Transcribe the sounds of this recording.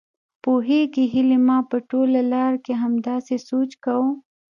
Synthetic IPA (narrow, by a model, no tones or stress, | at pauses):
poɦeɡiɦɪlemɑpəʈolalɑɾkeɦamd̪ɑsesot͡ʃkawu